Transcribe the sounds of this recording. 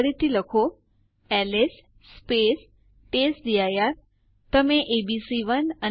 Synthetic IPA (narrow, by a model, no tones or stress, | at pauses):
ɽit̪iləkʰo | ɛːlesː | peːs | ʈeːsɗiaːjaɾ | t̪ɐmẽʔebisiʋənə